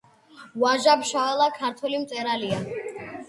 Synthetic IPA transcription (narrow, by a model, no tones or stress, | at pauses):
vwaʒabʃavɛlˠakʰaɾt̪ʰwɛlimt̪sʼɛɾalia